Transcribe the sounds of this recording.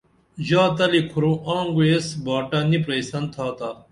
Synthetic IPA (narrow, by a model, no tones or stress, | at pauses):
ʑaːt̪ɐlikʰʊɾõːʔãːŋɡuesbaːʈaːnipɾɐjsɐnt̪ʰaːt̪aː